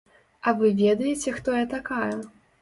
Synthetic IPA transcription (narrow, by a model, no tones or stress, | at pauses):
ɐvɨvʲɛd̪ɐjɛt͡sʲɛxt̪ɔjɐt̪akajɛ